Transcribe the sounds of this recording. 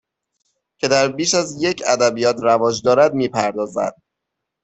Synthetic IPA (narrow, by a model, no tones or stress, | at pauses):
cʰe̞d̪æɾbiːʃæzje̞cʰæd̪æbijɒːt̪ʰɾævɒːd͡ʒd̪ɒːɾæd̪miːpʰæɾd̪ɒːzæ̰d̪̥̚